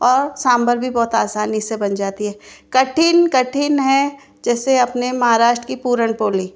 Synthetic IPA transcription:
ɔːɾsaːmbəɾbʱibɔːt̪aːsaːnɪsebɐnd͡ʒaːt̪iɦɛːkɐʈʰinkɐʈʰinɦɛ | d͡ʒɛːseɐpnemɐɦaːɾaːʃʈɾəkipuːɾəɳpoːliː

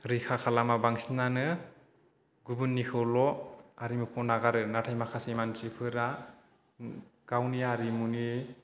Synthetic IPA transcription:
ɾikʰakʰalamabaŋsinanɯ | ɡubunːikʰɯlɔaɾimukʰɔnaɡaɾɯnatʰajmakʰasejmansipʰɯɾa | ɡ̥awniaɾimuni

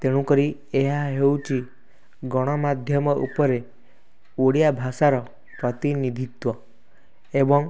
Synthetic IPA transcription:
t̪eɽ̃ũkɔɾi | eɦaɦewt͡ʃʰi | ɡɔɽ̃ɔmad̪ʱjɔmɔʔṵpɔɾe | oɽijabʱasaɾɔ | pɾɔt̪inid̪ʱit̪wɔ | ebɔŋ

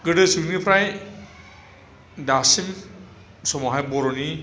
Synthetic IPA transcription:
ɡɯdɯsunipʰɾaj | dasim | sɔmɔɦajbɔɾoni

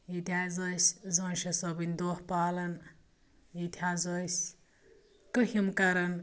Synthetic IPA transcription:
jit̪ʲʰazosʲzonʃɐsɐbinʲd̪oːhpaːlɐn | jit̪ʲʰazojsʲ | kəhimkɐɾɐn

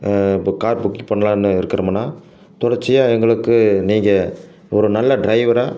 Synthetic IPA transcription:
kaːɾbʊkːipɐɳːɐlãːnːɯɪɾɯkːɪɾɐmɐnːaː | t̪ɔɽɐɾt͡ʃːɪjaːɛŋɡɐɭɯkːɯniːŋɡɐ | ɔɾɯnɐlːɐɖɾɐɪʋɐɾaː

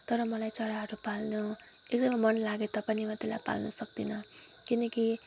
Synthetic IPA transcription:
t̪ʌɾʌmʌlajt͡sʌɾaɦʌɾupalnu | ek̚d̪ʌmʌmʌnlaɡet̪ʌpʌnimat̪ilajpa̰lnusʌk̚d̪inʌ | kinʌki

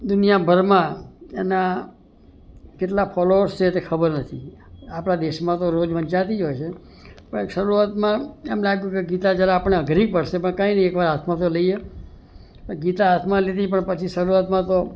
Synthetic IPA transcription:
d̪unijabʱəɾmãḛna | keʈlapʰɔloɾst͡ʃʰet̪ekʰəbəɾnət̪ʰiapɽad̪eʃmãt̪oɾod͡ʒʋəɲt͡ʃat̪id͡ʒojt͡ʃʰe | pəɳʃəɾuat̪mãemlaɡjũk̬eɡit̪ad͡ʒjaɾeapəɳeəɡɾikpəɽʃepəɳkãinəiekʋaɾat̪ʰmãt̪̬oləie | oɡit̪aat̪ʰmãlet̪ipəɳpət͡ʃʰiʃəɾuɾat̪mãt̪o

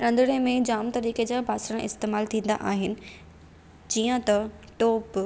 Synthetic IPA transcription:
ɾɐ̃nd̪ɪɽemẽd͡ʑaːmt̪ɐɾiːked͡ʑaːbʱaːsəɽ̃ãʔɪst̪eːmaːlt̪ʰĩːn̆d̪a̰ʔaːɦɪnɪ̆ | d͡ʑiːə̃t̪ɐʈoːp

